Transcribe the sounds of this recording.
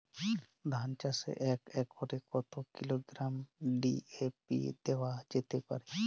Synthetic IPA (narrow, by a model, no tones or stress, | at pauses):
d̪ʱaːnt͡ʃasḛʔekekɔɾekɔt̪okiloɡɾamɖiepḭd̪eʋad͡ʒet̪epə̰ɾe